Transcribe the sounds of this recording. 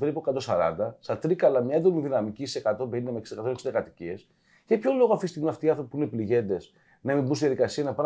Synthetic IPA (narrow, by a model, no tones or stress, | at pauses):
p̪ɾipokɐt̪o̞sɐ̰ɾɐ̰nd̪ɐsɐt̪ɾikɐlɐmɲɐed̪oniðinɐmicisekɐt̪o̞beɾinɐmeksi̥d̪ekɐt̪omeksid̪ɐkɐt̪i̥cie̞s | cepço̞lo̞ɣoɐft̪ist̪iɣmiɐft̪iɐnθɾo̞pi̥puinepliʝe̞nd̪e̞s | nɐemimbust̪iðjɐðikɐsiɐnɐpɾ